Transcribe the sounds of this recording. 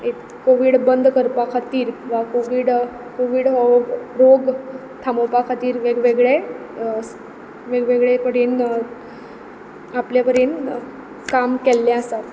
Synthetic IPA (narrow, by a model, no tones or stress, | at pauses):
et̪ | koʋiːɽbənd̪ʱkəɾpakʰat̪iːɾʋakoʋiːɽ | koʋiːɽɦɔɾoɡ | t̪ʰamopakʰat̪iːɾʋeɡʋeɡɭe | ʋeɡʋeɡɭekəɾen | apljapəɾen | kamkɛlːaasat̪